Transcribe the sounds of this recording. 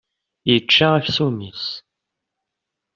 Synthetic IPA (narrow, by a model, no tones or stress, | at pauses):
jət͡ʃːaæfsumis